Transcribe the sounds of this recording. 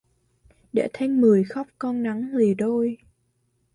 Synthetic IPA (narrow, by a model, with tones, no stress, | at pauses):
ɗḛ˧˥t̪ʰa˧jŋ̟mɨ˨˩əjxɔ˦˥p̚kɔ˧nna˨˦ŋle˨˩ɗo˧j